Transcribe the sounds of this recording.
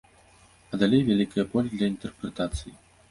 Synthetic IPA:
ɐd̪alʲejvʲalʲikɐjɐpɔlʲd̪lʲɐint̪ɛrpɾɛt̪at̪sɨji

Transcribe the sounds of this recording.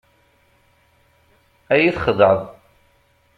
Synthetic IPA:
æjiθχəd̪ˤəʕəðˤ

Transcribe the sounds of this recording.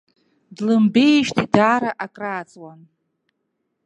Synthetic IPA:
dlɨmbe̞jʃtʰidaɾaʔakʼraːt͡sʼwan

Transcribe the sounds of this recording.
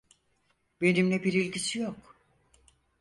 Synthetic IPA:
be̞nimlʲɛbiɾilʲɟisijok

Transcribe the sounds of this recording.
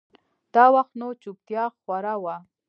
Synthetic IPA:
d̪̥awaχt̪not͡ʃʊp̚t̪jɑxwaɾawa

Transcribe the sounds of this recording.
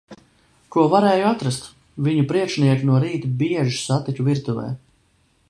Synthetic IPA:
kuɔvaɾɛːjuat̪ɾast̪ | viɲupɾiɛkʃniɛkinuɔɾiːt̪ubiɛʒi̥sat̪ikuviɾt̪uvɛ̰ː

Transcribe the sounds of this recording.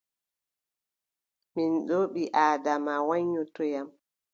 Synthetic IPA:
minɗoːɓiʔaːdamawaɲːutɔjam

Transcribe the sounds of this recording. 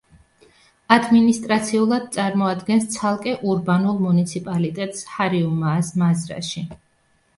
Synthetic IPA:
ad̪minist̪ʼɾat̪sʰiulˠad̪̚t̪sʼaɾmɔad̪ɡɛnst̪sʰalˠkʼɛʔuɾbanulˠmunit̪sʰipʼalit̪ʼɛt̪ʼshaɾiumaːsmazɾa̰ʃi

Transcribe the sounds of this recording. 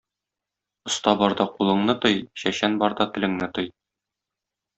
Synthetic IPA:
ŏst̪ɑbɒɾd̪ɑqulˠɤ̆ɴnɤt̪ɤjɕæɕænbɒɾd̪ɑt̪ɘ̆lɘ̆ŋnɘt̪ɤj

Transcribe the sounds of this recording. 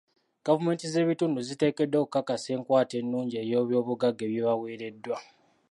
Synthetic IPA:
ɡ̥avume̞ːntize̞ːβitunduzite̞ːke̞dːo̞ːkukːakase̞ːŋkwaːte̞nːuːɲɟie̞ːjo̞ːβjo̞ːβuɡaɡːe̞βjeβaweːɾe̞dːwa

